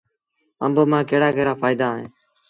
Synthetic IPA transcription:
ə̰mbomãːkeːɽaːkeːɽaːpʰaːɪd̪aːɦḛ̃ː

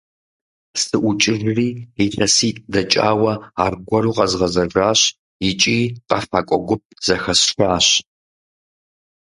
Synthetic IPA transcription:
sɨʔʷt͡ʃʼɪrriːiɬɐsiːtʼdɐt͡ʃʼaːwɐaːrɡʷɔɾuːqʼɐzʁɐzɐʐaːɕ | jɪt͡ʃʼiːqʼɐfaːkʷʼɔɡʷʊp̚z̥ɐxɐsʂaːɕ

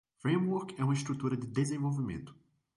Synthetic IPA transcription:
fɾẽmwuɾkɛũmɐɪst̪ɾut̪uɾɐd̪ɪd̪ezẽvowvimḛ̃nt̪ʊ̥

